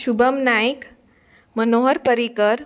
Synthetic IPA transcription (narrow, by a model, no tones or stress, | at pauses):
ɕubəmnajk | mənoɦəɾpəɾikəɾ